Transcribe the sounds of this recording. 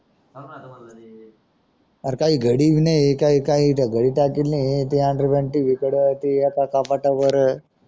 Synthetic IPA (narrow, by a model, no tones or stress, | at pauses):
aɾkaːiɡʱəɽiʋinaikaikaɦiʈaɡəɽiʈakilːĩt̪iaɳɖɾbeɳʈiʋikəɽt̪iakakapaʈaʋəɾ